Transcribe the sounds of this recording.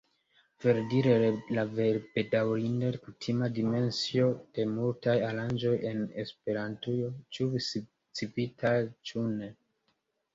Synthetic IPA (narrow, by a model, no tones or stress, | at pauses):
v̥e̞ɾdiɾe̞laveɾbedawɾindekutʰimadime̞nsio̞d̥e̞multajaɾand͡ʒo̞je̞ne̞spe̞ɾantujo̞t͡ʃuvis | t͡sipitʰajt͡ʃune̞